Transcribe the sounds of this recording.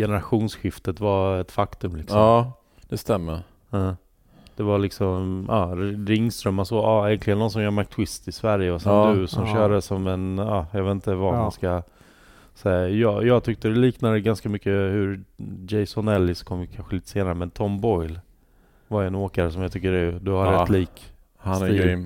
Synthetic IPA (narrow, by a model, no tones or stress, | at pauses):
jɛnəɾaɧuːnsɧɪft̪ət̪vaɛt̪fakt̪ɵmlɪksɔmː | d̪̥ɛst̪ɛmːəɾː | d̪̥ɛvalɪksɔmʔɑːɾɪŋːst̪ɾœmːasɔʔɑːɛŋklɪɡənːɔns̬ɔmjaːmak̚t̪ʰwɪst̪ɪsvæɾjəɔsɛd̪ɵsɔmɕœːɾsɔmɛnɑːjɑɡveːt̪n̩t̪əvahanska | sɛjɑːjɑːɡ̚t̪ʰʏk̚t̪əd̪ɛliːknad̪əɡanskamʏkːəhʉɾd͡ʒɛɪsɔnɛlːɪsɔ̥kʰɔmːjkʰanɧəliːt̪ə̥seːnaɾəmɛnt̪ʰɔmbɔʏl | vaɾɛnoːkaɾəsɔmjat̪ʰʏk̚t̪əɾɛd̪ɵhaɾɾɛt̪ʰːliːk | haiː